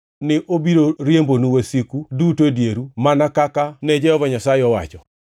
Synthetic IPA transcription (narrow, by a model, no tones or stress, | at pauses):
nɪʔobiɾoɾjembonuwasikudutodjeɾumanakakanɛd͡ʒɛɔvɔɲasaɪɔwa̰t͡ʃɔ